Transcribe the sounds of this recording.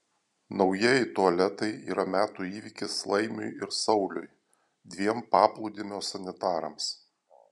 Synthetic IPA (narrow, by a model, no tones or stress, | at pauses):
nɒʊjiɛjɛɪt̪uɐlʲɛt̪ɐɪḭːɾɐmʲæːt̪uːiːʋʲikʲɪslˠɐɪmʲʊ̰jɪɾsɒʊlʲʊ̰j | d̪ʲʋʲiɛmpɑːplˠʊd̪ʲɪmʲoːsɐnʲɪt̪ɑːɾɐms